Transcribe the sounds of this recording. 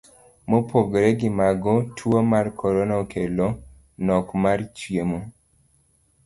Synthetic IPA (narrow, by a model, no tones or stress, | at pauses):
mopʰoɡɾeɡɪmaɡɔtʰwomarkʰɔɾɔnaokʰelo | nɔkmart͡ʃjemo